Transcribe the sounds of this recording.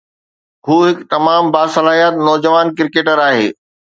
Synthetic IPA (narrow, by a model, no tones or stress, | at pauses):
ɦuːɦɪkt̪ɐmaːmbaːsɐlaːɦijət̪nɔːd͡ʑəʋaːnkɪɾkeːʈəɾaːɦeː